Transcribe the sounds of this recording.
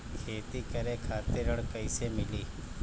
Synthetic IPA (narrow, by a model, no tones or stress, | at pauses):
kʰeːt̪iːkəɾẽːkʰaːt̪eɾəɽkəɪsemɪliː